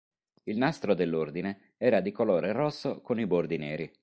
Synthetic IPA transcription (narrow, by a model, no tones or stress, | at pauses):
ilnast̪ɾod̪elːord̪ine | ɛːɾad̪ikoloːɾerɔsːokonibord̪inɛːɾi